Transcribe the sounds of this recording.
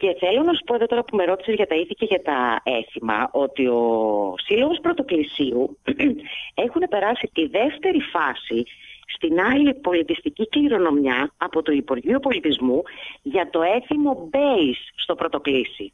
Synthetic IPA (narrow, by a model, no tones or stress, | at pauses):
ce̞θe̞lo̞nɐsu̥po̞e̞ðo̞t̪o̞ɾɐpume̞ɾo̞t̪i̥sezʝɐt̪ɐiθiceʝɐt̪ɐe̞θimɐ̰o̞t̪io̞silo̞ɣo̞spɾo̞t̪o̞klisiu | e̞xune̞pe̞ɾɐsit̪iðe̞ft̪e̞ɾifɐsist̪inɐlipo̞lit̪ist̪icikliɾo̞no̞mjɐɐpo̞t̪uipuɾʝiopo̞lit̪izmuʝɐt̪o̞e̞θimo̞be̞isːt̪o̞pɾot̪o̞klisḭ